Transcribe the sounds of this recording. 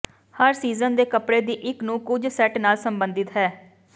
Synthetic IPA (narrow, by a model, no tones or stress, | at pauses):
həɾsiːzənd̪eːkəpɽeːd̪iːʔɪknũːkʊd͡ʒsɛʈnaːlsəmbənd̪ɪt̪ɦɛː